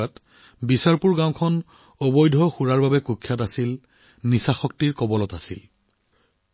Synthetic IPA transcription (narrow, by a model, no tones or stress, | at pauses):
at | bisaɹpuɹɡãwkʰɔn | ɔbɔjdʱɔxuɹaɹbabɛkukʰːjatasil | nisaxɔk̚tiɹkɔbɔlɔtasḭl